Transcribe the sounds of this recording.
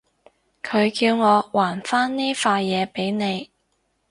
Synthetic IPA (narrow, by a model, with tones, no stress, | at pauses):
kʰɵ˨˧ɥkiː˧wŋɔː˨˧waː˨˩nfaː˥nniː˥faː˧jjɛː˨˧pe˨˥jne˨˧j